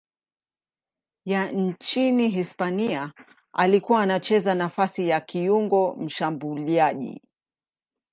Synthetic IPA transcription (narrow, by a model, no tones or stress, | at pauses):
jan̩t͡ʃiniɦispania | a̰likuwaːnat͡ʃɛzanafasijakiuŋɡɔm̩ʃambuliaʄḭ